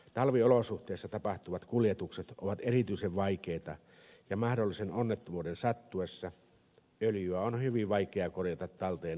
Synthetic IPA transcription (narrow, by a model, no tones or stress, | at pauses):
t̪ɑlʋiolosuht̪ˑeˑːsːɑt̪ɑpɑht̪uʋɑt̪kuljet̪ukset̪ʔoʋɑt̪erit̪yiseʋʋɑikeːt̪ɑ | jɑmɑhdolːisenonːet̪ːomuːdensɑt̪ːuesːɑ | øljyæonhyʋiʋʋɑikeɑkorjɑt̪ɑt̪t̪ːɑlt̪eːn